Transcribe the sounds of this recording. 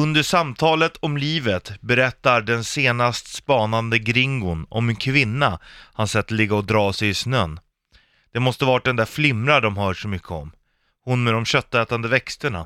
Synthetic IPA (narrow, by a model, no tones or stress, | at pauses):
ɵnd̪əʂamt̪ʰɑːlət̪ʰɔmliːvət̪bɛɾɛt̪ːaɾɖɛnseːnast̪spɑːnand̪əɡɾɪŋɡʊnɔ̰mɛnkʰvɪnːahansɛt̪ːəlɪɡːaɔd̪ɾɑːsɛjɪsnœnː | d̪̥ɛmɔst̪əvɑːɾat̚d̪ɛnd̪æːɾflɪmɾaɖɔmhœːʂɔmʏkʰːəɔm | hʊnmɛd̪ɔmɕœt̪ːɛːt̪and̪əvɛkst̪əɳa̰